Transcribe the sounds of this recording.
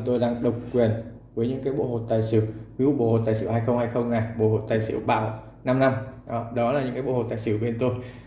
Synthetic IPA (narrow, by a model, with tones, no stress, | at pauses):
t̪o˧jɗaː˧ŋɗə˨˩wk͡p̚kwi˨˩ən | vəː˨˦jɲɨ̰˧˥ŋkaː˨˦jɓo̰˧˨ho̰˨˩t̪aː˨˩jsɨ˧˩wkwi˨˦u˧˥˩ɓo̰˧˩˨ho̰˨˩t̪aː˨˩jsḭ˧˩ha˧jxə˧wŋ͡mha˧jxə˧wŋ͡mna˨˩jɓo̰˧˩ho̰˨˩t̪aː˨˩jsɨ̰˧˩əwɓa̰ː˧˩w | na˧mna˧mʔɗɔ˨˦laː˨˩ɲɨ̰˧˥ŋkaː˨˦jɓo̰˧˨ho˨˩t̪aː˨˩jsɨ˧˩əwɓe˧nt̪o˧j